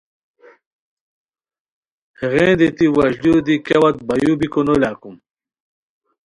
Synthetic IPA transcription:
heɣẽːnd̪it̪iwɐɕdud̪ikewɐt̪̚bɐjubikonolaːkum

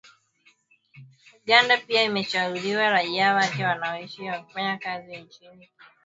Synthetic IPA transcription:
uɠandapiaimɛʃauliwaɾaiawakɛwanaɔiʃiwaku̥faɲakazint͡ʃini

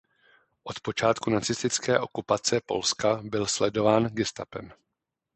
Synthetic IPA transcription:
ʔo̞t̪po̞t͡ʃaːt̪kunat͡sɪst̪ɪt͡skɛːʔo̞kupat͡sɛpo̞̰lskabɪlslɛdo̞vaːnɡɪst̪a̰pɛ̰m

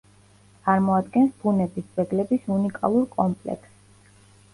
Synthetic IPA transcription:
tt̪ʼaɾmɔad̪ɡɛnsbunɛbisbɛɡlɛbisunikʼa̰lˠuɾkʼɔmpʼlɛ̰ks

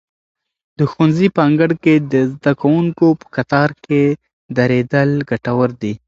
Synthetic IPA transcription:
d̪̥əxunzipɑŋɡəɽked̪əzd̪akawuŋkopə̥kat̪ɑɾke | d̪aɾed̪əlɡaʈawəɾd̪i

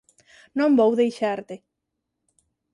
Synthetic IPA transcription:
nõmbowðejʃaɾt̪e

